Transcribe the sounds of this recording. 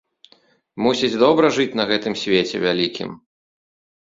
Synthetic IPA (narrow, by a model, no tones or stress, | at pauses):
musʲid͡zʲd̪ɔbɾɐʐɨt͡sʲn̪ɐɣɛt̪ɨmsʲvʲet͡sʲɛ̰vʲalʲikʲʰḭm